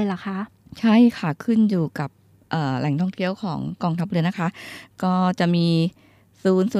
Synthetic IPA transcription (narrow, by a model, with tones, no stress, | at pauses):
jla˨˩kʰa˦˥ʔ | t͡ɕʰa˥˩jkʰa˥˩kʰɯ˥˩njuː˨˩ka˨˩p̚ | ʔɤː˨˩lɛ˨˩˦ŋt̪ʰɔ˥˩ŋt̪ʰi˥˩əwkʰɔː˩˦ŋkɔː˧ŋt̪ʰa˦˥p̚ɾɯ˧ɐna˦˥kʰa˦˥ʔkɔː˥˩t͡ɕa˨˩ʔmiː˧ | suː˨˦nsuː˨˧˦